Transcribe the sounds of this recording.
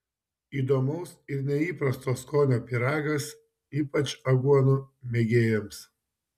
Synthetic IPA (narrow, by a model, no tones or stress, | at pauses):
iːd̪oːmɐʊsɪɾnʲɛiːpɾɐst̪oːskoːnʲoːpʲiɾɑːɡɐs | iːpɐt͡ʃɐɡuɔnumʲeɡʲeːjɛms